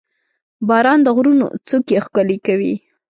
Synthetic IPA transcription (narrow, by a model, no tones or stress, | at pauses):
bɑɾɑnd̪əɣɾuno̰t͡sokexkəlekawḭ